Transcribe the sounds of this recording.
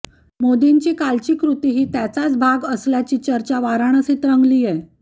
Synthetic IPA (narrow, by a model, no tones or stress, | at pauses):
mod̪eɲt͡ɕiːkalt͡ɕiːkɾut̪iɦiːt̪jat͡sat͡sbʱaɡəsljat͡ɕiːt͡ɕəɾt͡ɕaʋaɾaɳ̃əset̪ɾəŋɡliːjɛ